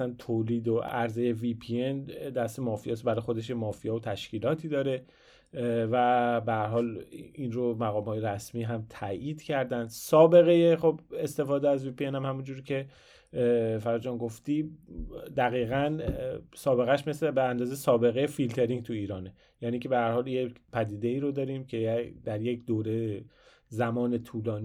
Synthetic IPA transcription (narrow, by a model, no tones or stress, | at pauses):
sænt̪ʰoːliːd̪oæɾzeje̞vipʰiend̪æst̪emɒːfijɒsbæɾɒjxo̞d̪eʃjemɒːfijɒːvot̪ʰæʃciːlɒːt̪ʰiːd̪ɒːɾe̞ | væbehæɾɦɒːlinɾomæɣɒːmhɒːjeɾæsmiːɦæmt̪ʰæʔiːd̪̥cʰæɾd̪ænd̪sɒːbe̞ɣe̞jeχobest̪e̞fɒːd̪eæzviːpienhæmhæmund͡ʒuːɾicʰe̞ | fæɾæd͡ʒɒːnɡoft̪i | d̪æɣiːɣænsɒːbe̞ɣæʃmeslebeænd̪ɒːzejsɒːbe̞ɣejefilt̪ʰe̞ɾiŋɡt̪ʰuiːɾɒːne | jæːniːcʰe̞behæɾhɒːljepʰæd̪iːd̪eiːɾod̪ɒːɾimcʰe̞d̪æɾjecʰd̪oːɾe | zæmɒːnet̪ʰuːlɒːn